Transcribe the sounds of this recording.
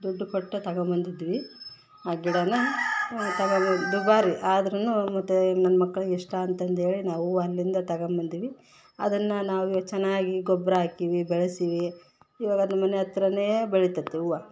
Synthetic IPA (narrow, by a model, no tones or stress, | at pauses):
d̪ɔɖːukɔʈːɐt̪ɐɡɐmbɐnd̪id̪iʋi | aːɡiɽɐnɐ | t̪ɐɡɐd̪ubaːɾiʔaːd̪ɐɾɐnːumɐt̪ːunɐnːɐmɐkːɐɭɡiʂʈaɐnt̪ɐnt̪ɦe̞ːɭinaːʋuʋɐɐlːind̪ɐt̪ɐɡɐmbɐnd̪iʋi | ɐ̰d̪ɐnːɐnaːʋut͡ʃɛnːaːɡiɡɔbɾɐaːkiʋibɛɭesiʋiː | ʋaːɡɐd̪ɐmɐneɐt̪ːɐɾɐnejebeɭit̪ɐt̪ːeuʋɐ